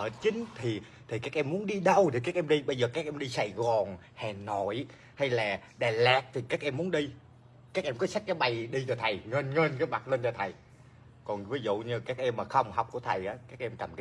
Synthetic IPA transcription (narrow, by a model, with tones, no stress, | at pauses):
ʔəː˧˩t͡ɕï˨˦ŋ̟t̪ʰi˨˩ | t̪ʰi˨˩kaː˦˥k̚ʔɛ˧mːu˨˦ənɗi˧ɗə˧wt̪ʰi˨˩kaː˦˥k̚ʔɛ˧mɗi˧ɓə˧jzəː˨˩kaː˦˥k̚ʔɛ˧mɗi˧sa˧˩jɣɔ˨˩n | hɛ˨˩nɔ˧˩j | ha˧jlaː˨˩ | ɗaː˨˩laː˨˩t̚t̪ʰi˨˩kaː˦˥k̚ʔɛ˧mːu˨˦ənɗi˧ | kaː˦˥k̚ʔɛ˧mkɔ˨˦sa˦˥k̚kaː˨˦jɓa˨˩jɗi˧t͡ɕɔ˧t̪ʰə˨˩jŋə˧nŋə˧nkaː˨˦jma˨˩lə˧nt͡ɕɔ˧t̪ʰə˨˩j | kɔ˨˩nvi˨˦zṵ˧˨ɲɨ˧kaː˦˥k̚ʔɛ˧mːaː˨˩xə˧wŋ͡mɦa˨˩wk͡p̚ku˧˩ət̪ʰə˨˩jʔaː˨˦kaː˦˥k̚ʔɛ˧mka˨˩m˨˦